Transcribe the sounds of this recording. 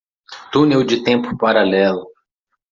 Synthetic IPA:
t̪unewd͡ʒɪt̪ẽmpʊ̥paɾalɛlʊ

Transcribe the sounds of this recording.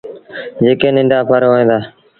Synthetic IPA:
d͡ʒeːkẽːnɪ̃ɳɖaːpʰəɾoẽːnd̪aː

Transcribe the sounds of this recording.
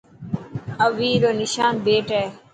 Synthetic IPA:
əʋiːɾoːnɪʃaːnbeːʈeː

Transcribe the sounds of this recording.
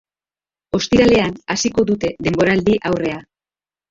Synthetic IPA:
o̞st̪iɾale̞anasiko̞ðut̪e̞ðe̞mbo̞ɾald̪iʔawre̞a

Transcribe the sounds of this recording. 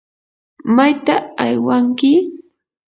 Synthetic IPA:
majt̪aajwaŋkɪ

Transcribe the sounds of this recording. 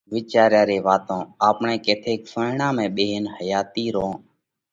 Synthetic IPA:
ʋɪːt͡ʃaːɾjãːɾeːʋaːt̪õːaːpɳẽːkeːt̪ʰeːksəɳãːmẽːɓeːɦnhəjaːt̪iːɾõː

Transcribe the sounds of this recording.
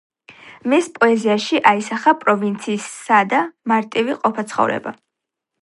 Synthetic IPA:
mispʼɔɛziaʃiʔaisaχapʼɾɔvint̪sʰiːsːad̪amaɾt̪ʼiviqʼɔpʰat̪sʰχɔ̰vɾɛ̰ba̰

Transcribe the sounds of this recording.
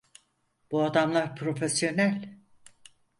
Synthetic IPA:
b̥uad̪amlˠaɾpʰɾo̞fesjo̞nælʲ

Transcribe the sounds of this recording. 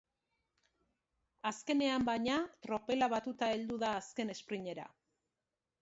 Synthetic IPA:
aske̞ne̞ambajɲat̪ɾo̞pe̞laβat̪ut̪ae̞ld̪uðaːske̞ne̞spɾiɲe̞ɾa̰

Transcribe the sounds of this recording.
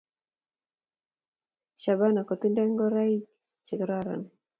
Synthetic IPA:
ʃabanakɔt̪undɛŋɡɔɾaik | t͡ʃɪkɾaɾa̰n

